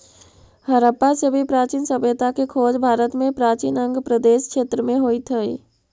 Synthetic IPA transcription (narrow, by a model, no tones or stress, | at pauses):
həɾəpːasebʱipɾaːt͡ʃiːnsəbjət̪akekʰoːd͡ʒbʱaːɾət̪mẽpɾaːt͡ʃinə̃ŋɡpɾəd̪eːʃkʃeːt̪ɾəmẽɦoːit̪ʰəi